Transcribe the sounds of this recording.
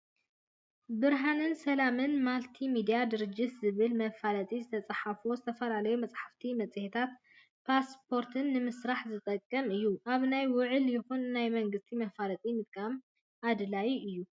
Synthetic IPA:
bɨɾɦanɨnsɐlamɨnmalt̪ʰimid̪ijad̪ɨɾɨd͡ʒɪt̪zɨβɨlmɐfalɐt̪ʼizɨt̪ʰɐt͡sʼɐħafozɨt̪ʰɐfɐlalɐjumɐt͡sʼħaft̪ʰimɐt͡sʼɨhit̪ʰat̪ | pʰaspʰo̞ɾt̪ʰɨnːɨmɨsɾaħzɨt̪ʼɐkʼːɐmɨjːuʔaβnajwʊʕɨljɪxunnajmɐŋɡɨst̪ʰimɐfalɐt̪ʼimɨt̪̚ʼkʼam | ad̪lajiɨjːu

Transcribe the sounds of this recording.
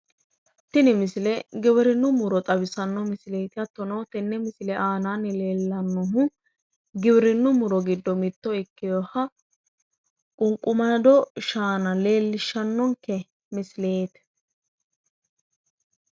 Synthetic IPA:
t̪ɪnɪmɪsɪlɛɡɪbɪɾɪnːʊmʊɾɔt̪ʼɐbɪsɐnːɔmɪsɪleːt̪ɪɐt̪ːɔnɔwt̪ɛnːɛmɪsɪlɛʔaːnaːnːɪleːlːɐnːɔɦʊ | ɡɪbɪɾɪnːʊmʊɾɔɡɪd̪ːɔmɪt̪ːɔɪkːɪjɔhɐ | kʼʊŋkʼʊmɐd̪ɔʃaːnɐle̞ːlːɪʃːɐnːɔŋkɛ | mɪsɪleːt̪ɛ̥

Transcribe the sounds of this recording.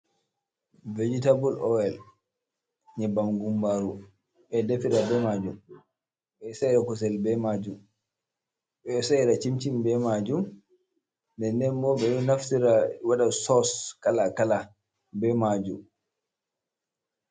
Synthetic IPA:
ved͡ʒitabulɔɛl | ɲɛbamɡumbaɾu | ɓɛdafiɾabɛmad͡ʒum | ɓɛsajɾakɔs̬ɛlbɛmad͡ʒum | ɓɛsaiɾat͡ʃimt͡ʃimbɛmad͡ʒum | ndɛndɛnbɔɓɛɗɔnaftiɾawaɗasɔskalakala | bɛmad͡ʒum

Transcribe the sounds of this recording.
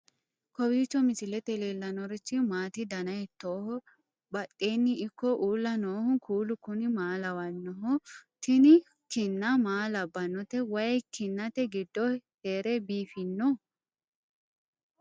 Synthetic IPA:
kɔwiːt͡ʃːɔmɪsɪlɛt̪ɛleːlːɐnɔɾɪt͡ʃːɪmaːt̪ɪd̪ɐnɐjt̪ːoːhɔ | bɐt̪ʼːeːnːɪːkːɔʔuːlːɐnoːhʊnkʰuːlʊkʊnɪmaːlɐwɐnːɔɦɔt̪ɪnɪ | kɪnːɐmaːlɐbːɐnɔt̪ɛwɐjkɪnːɐt̪ɛɡɪd̪ːɔheːɾɛbiːfɪnːɔ

